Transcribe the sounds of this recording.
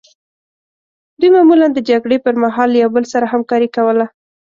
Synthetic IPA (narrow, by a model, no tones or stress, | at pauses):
d̪ujmɑmuland̪əd͡ʒaɡɽepəɾmaɦɑljawbəlsaɾaɦamkɑɾikawəla